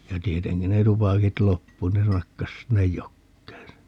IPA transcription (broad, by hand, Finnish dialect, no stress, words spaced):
jɑ tieteŋki ne tupɑkit lopːu ne nɑkːɑs sinːej jokːeːn se